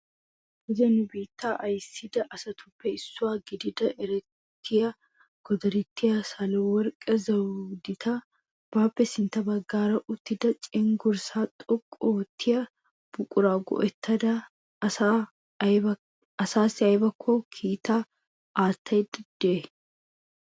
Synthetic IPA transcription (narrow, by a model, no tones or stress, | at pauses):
ɪzɐnʊbiːt̪ːaːʔɐjsɪd̪ɐʔɐsɐt̪ʰʊpːɛɪsːʊaːɡɪd̪ɪd̪ɐʔɛɾɛ | t̪ːɪjɐ | ɡ̥ɔd̪ɐɾɪt̪ʰːɪɐsɐlowɐɾkʼɛzɐwd̪ɪt̪ʰaː | b̥aːpːɛsɪnt̪ɐbɐɡːaːɾɐʔʊt̪ːɪd̪ɐt͡ʃʼɪŋɡʊɾsaːt̪ʼɔkʼːoːt̪ʰːɪjɐ | b̥ʊkʼʊɾaːɡɔ̰ʔɛt̪ʰːɐd̪a | ɐsaːsɪɐjbɐkʰːoːkʰiːt̪aː | aːt̪ʰːɐjd̪ɐd̪e